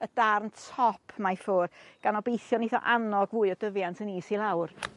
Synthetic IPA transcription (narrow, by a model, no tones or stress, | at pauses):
ədarntʰɔpʰmajfʊːrɡ̥anɔbejθjɔniθɔ̰ʔanɔɡvuːɨɔdəvjantʰəniːsilˠawr